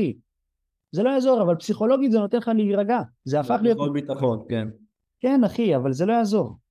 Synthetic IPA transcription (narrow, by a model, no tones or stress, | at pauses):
i | zelojaːzo̞ʁavalpsiχo̞lo̞ɡit̪zeno̞t̪e̞nχaleiʁaɡazeafaχlijo̞tbit̪aχonken | ke̞naχiavalze̞lo̞jaːzo̞ʁ